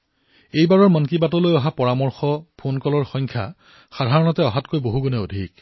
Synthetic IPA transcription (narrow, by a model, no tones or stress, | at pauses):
ejbaɹɔɹmɔnkibatɔlojɔɦapɔɹamɔɹxɔpʰonkɔlɔɹxɔjŋkʰja̰ | xadʱaɹɔnɔtɛɔɦatkojboɦuɡɔnɛodʱik